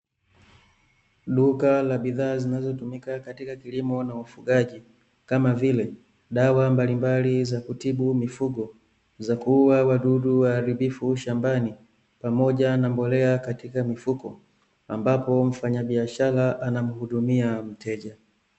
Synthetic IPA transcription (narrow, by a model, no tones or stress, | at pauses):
ɗukalaɓiðaːzinazɔtumikakatikakilimɔnaufuɡaʄi | kamavilɛ | ɗawambalimbalizakutiɓumifuɡɔ | zakuuwawaɗuɗuwaːɾibifuʃambani | pamɔɟanambɔlɛakatikamifukɔ̰ | ambapɔɱ̩faɲaɓiaʃalaʔanamuhuɗumiam̩tɛʄa